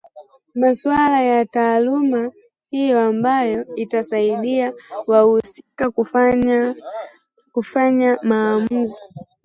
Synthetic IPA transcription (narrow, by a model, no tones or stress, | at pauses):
maswalajataːluma | hijɔambajɔitasaiɗiawahusikaa | kufaɲamaːm̩zi